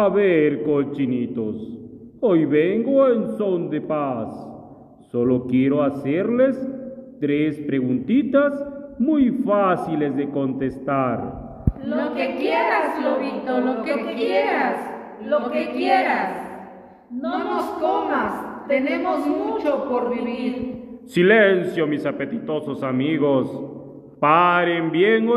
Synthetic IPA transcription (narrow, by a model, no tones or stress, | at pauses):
aβeɾkot͡ʃinit̪osojβeŋɡoensond̪epasː | o̞lokjeɾo̞aseɾlest̪ɾespɾeɣunt̪it̪asmujfasilezðeko̞nt̪est̪aɾ | lokekjeɾasloβit̪olokejeɾas | lokekjeɾas | nonoskomast̪enemosmut͡ʃopoɾβiβiɾsilensjomisapet̪it̪ososamiɣos | paɾembjeŋo